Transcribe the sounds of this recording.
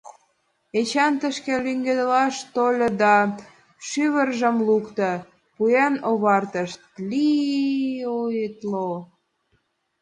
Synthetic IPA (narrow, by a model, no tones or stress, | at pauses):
et͡ɕɑnt̪əʃkelyŋɡed̪əlɑʃt̪olʲə̆d̪ɑ | ʃyβərʒə̆mlukt̪ə | pujenoβɑrt̪əʃt̪̚li | ojət̪lo